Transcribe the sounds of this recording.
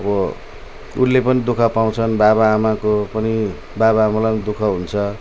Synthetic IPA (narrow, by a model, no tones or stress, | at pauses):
ʌbʌ | ṵnːepʌnid̪ukʰʌpaw̃t͡sʰʌnbaβaːmakopʌni | babaːmalad̪ukʰʌɦunt͡sʰʌ